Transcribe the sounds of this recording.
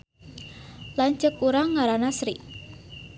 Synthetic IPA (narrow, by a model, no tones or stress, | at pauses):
laɲt͡ʃəkuɾaŋːaɾanasɾḭ